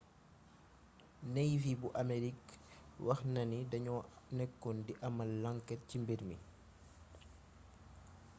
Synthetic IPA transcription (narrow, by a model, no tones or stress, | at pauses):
nɛjvibuʔameɾikwʔɐxnɐnidɐɲɔnɛkːɔndiʔɐmɐlaŋkɛt̚cimbeɾmi